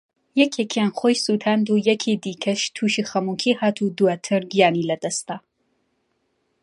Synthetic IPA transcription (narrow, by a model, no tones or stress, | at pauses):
jɐkʰekʰijaːnχoːjsut̪ʰaːnd̪ujɐkʰid̪iːkʰɐʃt̪ʰuːʃiχɐmuːkʰiːhaːt̪ʰud̪uwaːt̪ʰɨɾɡijaːniːlɐd̪ɐst̪aː